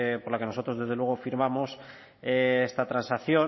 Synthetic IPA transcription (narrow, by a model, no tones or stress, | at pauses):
po̞ɾlake̞noso̞t̪ɾo̞zðe̞zðelwe̞ɣ̞o̞fiɾmamo̞s | eest̪at̪ɾansaθjo̞